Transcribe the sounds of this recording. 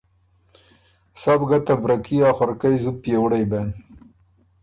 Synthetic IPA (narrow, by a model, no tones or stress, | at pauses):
sɑbɡat̪abɾakiaxaɾkajzud̪̚pjewɽajben